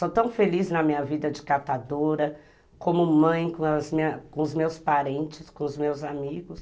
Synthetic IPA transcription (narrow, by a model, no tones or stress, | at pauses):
ot̪ɐ̃w̃feliznɐmĩɲɐvid̪ɐd͡ʒɪkat̪ad̪oɾɐ | kõmʊmɐ̃j̃kzmĩɐkõʊzmewspaɾẽnt͡ʃɪskõʊzmewzamiɡʊs